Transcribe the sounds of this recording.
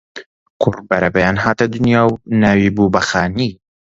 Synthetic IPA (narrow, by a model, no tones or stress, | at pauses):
qʰʊrbɐɾɐbɐjaːnɦaːt̪ɐd̪ʊnjaːwnaːwiːbubɐxaːni